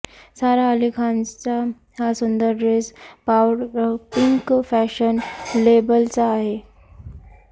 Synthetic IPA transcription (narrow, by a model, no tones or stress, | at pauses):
saɾaəlikʰand͡zt͡sa | hasund̪əɾːespawɽpiŋkfæɕənlebəlt͡saːɦe